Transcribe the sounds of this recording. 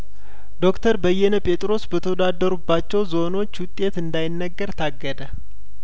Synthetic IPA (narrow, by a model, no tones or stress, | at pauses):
d̪o̞kt̪ʰəɾbəjːɛnəpʼe̞t̪ʼɾo̞sbət̪ʰəwd̪ad̪ːəɾubːat͡ʃːɛwzo̞no̞t͡ʃːwʊt̪ʼːe̞t̪ɨnd̪ajɪnːəɡːəɾt̪ʰaɡːəd̪ə